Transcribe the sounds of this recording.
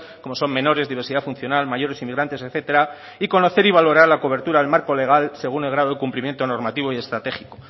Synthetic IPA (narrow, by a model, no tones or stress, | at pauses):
ko̞mo̞so̞mmẽ̞noɾe̞zðiβ̞e̞ɾsiðafunθjo̞nalmaʝo̞ɾe̞simiɣɾant̪e̞seθe̞t̪e̞ɾa | iko̞no̞θe̞ɾiβ̞alo̞ɾaɾlako̞β̞e̞ɾt̪uɾaðelmaɾko̞le̞ɣ̞alse̞ɣ̞une̞lɣɾaðo̞ð̞ekumplimje̞nt̪o̞no̞ɾmat̪iβoie̞st̪ɾat̪e̞xiko̞